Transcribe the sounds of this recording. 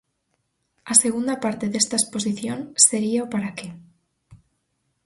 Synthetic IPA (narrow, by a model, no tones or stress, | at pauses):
ase̞ɣ̞und̪apaɾt̪eðest̪aespo̞s̬iθjonse̞ɾiaopaɾake